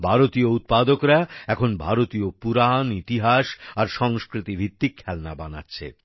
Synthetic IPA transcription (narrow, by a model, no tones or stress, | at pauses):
bʱaɾot̪iout̪̚pad̪okɾaɛkʰonbʱaɾot̪iopuɾanit̪iɦaʃaɾʃɔŋskɾit̪ibʱit̪ːikʰːɛlnabana̰tːɕʰḛ